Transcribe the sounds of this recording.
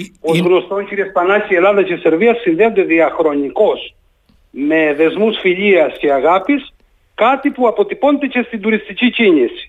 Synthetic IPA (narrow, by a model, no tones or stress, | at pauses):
po̞zɣno̞st̪o̞nciɾiespɐnɐcie̞lɐðɐcese̞ɾviɐsinðe̞ond̪e̞ðiɐxɾo̞niko̞s | me̞ðe̞zmusfiʎiɐsce̞ɐɣɐpis | kɐt̪ipuɐpo̞t̪ipo̞nd̪ece̞st̪ind̪uɾist̪icicinisi̥